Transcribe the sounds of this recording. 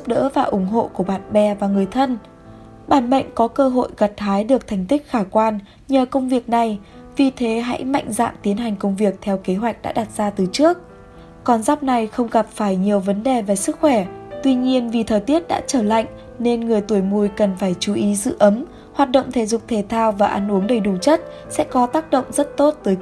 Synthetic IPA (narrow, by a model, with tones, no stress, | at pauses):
zp̚ɗə̰˧˥vaː˨˩ʔʊ˧˩ŋ͡mɦo̰˧˨ku˧˩əɓaː˨˧˨nɓɛ˨˩vaː˨˩ŋɨ˨˩əjt̪ʰə˧n | ɓaː˧˩nmə̰˧˨jŋ̟kɔ˨˦kəː˧ɦo̰˧˨jɣə˨˩t̚haː˨˦jɗɨ˨˩ək̚t̪ʰɛ˨˩jŋ̟t̪ï˦˥k̟̚xaː˧˩kwaː˧n | ɲəː˨˩kə˧wŋ͡mvi˨˩ək̚na˨˩j | vi˨˩t̪ʰe˨˦ɦa̰˧˥jma̰˧˨jŋ̟za̰ː˧˨mt̪i˨˦ənɦa˨˩jŋ̟kə˧wŋ͡mvi˨˩ək̚t̪ʰɛ˧wke˨˦ɦwa˨˩jk̟̚ɗa̰ː˧˥ɗa˨˩t̚z̥aː˧t̪ɨ˨˩t͡ɕɨ˦˥ək̚ | kɔ˨˩nzaː˦˥wp̚na˨˩jxə˧wŋ͡mɣa˨˩p̚faː˧˩jɲi˨˩əwvə˨˦nɗe˨˩ve˨˩sɨ˦˥k̚xwɛ˧˩t̪wi˧ɲi˧ənvi˨˩t̪ʰəː˨˩jt̪i˦˥ət̚ɗa̰ː˧˥t͡ɕəː˧˩la̰˧˨jŋ̟ | ne˧nŋɨ˨˩əjt̪u˧˩əjmu˧əjkə˨˩nfaː˧˩jt͡ɕu˨˦ʔi˨˦zɨ̰˧˨ʔə˨˦m | hwaː˨˩t̚ɗə̰˧˨wŋ͡mt̪ʰe˧˩zʊ˨˩k͡p̚t̪ʰe˧˩t̪ʰaː˧wvaː˨˩ʔaː˧˩nʔu˨˦əŋɗə˨˩jɗu˨˧˩t͡ɕə˦˥t̚sɛ̰˧˥kɔ˨˦t̪aː˦˥k̚ɗə̰˧˨wŋ͡mzə˦˥t̚t̪o˦˥t̚t̪əː˨˦j